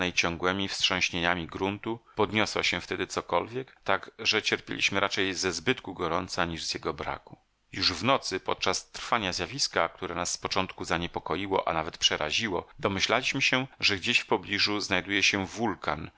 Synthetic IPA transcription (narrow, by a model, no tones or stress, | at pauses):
ɛjt͡ɕɔ̃ŋɡwɛmʲifstʂɔ̃ɕɲeɲamʲiɡɾunt̪upɔd̪ɲɔswaɕɛft̪ɛd̪ɘt̪sɔkɔlvʲjɛkt̪aɡʐɛt͡ɕɛɾpʲjḛlʲḭɕmɘɾʔat͡ʂɛjzɛzbɘt̪kuɡɔɾɔnt̪saɲiʐzjɛɡɔbɾa̰ku̥ | juʐvnɔt̪sɘpɔt̪̚t͡ʂast̪rfaɲazʲjavʲiskak̚t̪uɾɛnasːpɔt͡ʂɔnt̪kuzaɲɛpɔkɔjiwɔ̰ʔa̰navɛt̪pʂɛɾaʑiwɔd̪ɔmɘɕlalʲiɕmɘɕɛʐɛɡd͡ʑeɕfpɔblʲiʐuznajd̪ujɛɕɛvulkan